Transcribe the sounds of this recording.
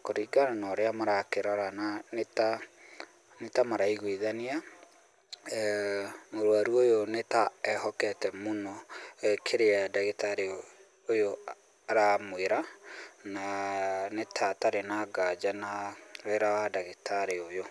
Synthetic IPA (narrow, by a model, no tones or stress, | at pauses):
koɾiɡananɔɾeamaɾakeɾɔɾananeta | netamaɾaiɣwiðania | moɾoaɾwojonetaɛhɔkɛtɛmonɔkʰeɾeadaɣetaɾeo | ojo | aɾamweɾananetʰataɾenaɡad͡ʑanaɾeɾawadaɣetʰaɾeojo